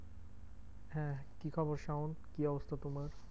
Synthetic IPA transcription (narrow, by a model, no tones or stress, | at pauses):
hɛ̃kikʰɔboɾʃawnkiɔbost̪ʰat̪omaɾ